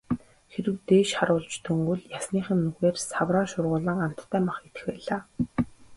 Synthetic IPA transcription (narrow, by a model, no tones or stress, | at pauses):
xeɾɘ̆wt̪eːʃχaɾʊːɮt͡ɕt̪ʰɵŋɡɵ̆ɮjasniːχɘ̆nːɵɣeːrsawraːʃʊrʁʊːɮə̆ŋam̥t̪ʰːæːmaχɡet̪ɘ̥̆xwæːɮaː